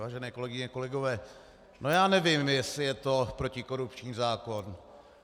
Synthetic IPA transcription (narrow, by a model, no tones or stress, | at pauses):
aːʒɛnɛːko̞lɛɡɪɲɛko̞lɛɡo̞vɛː | nʔo̞jaːnɛvɪmjɛsɪjɛt̪o̞pɾo̞cɪko̞ɾupt͡ʃɲiːzaːko̞n